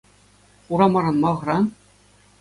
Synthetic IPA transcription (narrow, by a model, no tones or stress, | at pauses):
uɾɑmɑɾɑnmɑʁɤ̆ɾɑn